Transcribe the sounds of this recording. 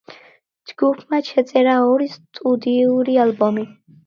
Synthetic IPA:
d͡ʒɡupʰmaʃʰɛt̪sʼɛɾaɔɾist̪ʼud̪iuɾialbɔmi

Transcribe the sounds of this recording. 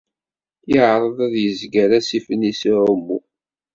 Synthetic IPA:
jəʕɾˤəðˤæðjəzɡæɾæsifənːisiʕʊmːu

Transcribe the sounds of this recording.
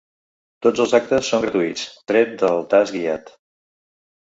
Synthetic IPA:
t̪od͡zəlˠzak̚t̪əsːoŋɡɾət̪uit͡st̪ɾɛt̪̚d̪əlˠt̪azɡia̰t̪

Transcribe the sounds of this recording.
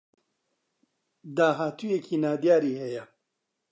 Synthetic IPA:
d̪aːɦaːt̪uːjekʰiːnaːd̪jaːɾiːhɛjɛ

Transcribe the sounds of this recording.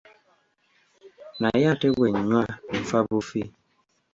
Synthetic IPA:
najatɛweɲwam̩fabufi

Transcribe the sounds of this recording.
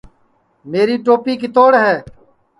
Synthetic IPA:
meːɾiːʈoːpiːk̬ɪt̪oːɽɦɛː

